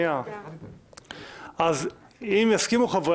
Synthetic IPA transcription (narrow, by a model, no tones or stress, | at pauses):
jã | az | imjaskimuχav